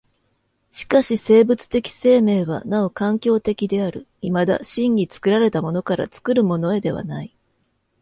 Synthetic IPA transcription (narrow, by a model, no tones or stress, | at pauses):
ɕi̥kaɕise̞ːbɯ̟t͡sɨ̥t̪e̞kʲi̥se̞ːme̞ːβa̰naokãŋkʲo̞ːt̪e̞kʲid̪e̞aɾɯ̟ | imad̪a̰ɕĩŋːʲit͡sɨ̥kɯ̟ɾaɾe̞t̪amo̞no̞kaɾa̰t͡sɨ̥kɯ̟ɾɯ̟mo̞no̞e̞d̪e̞β̞a̰nai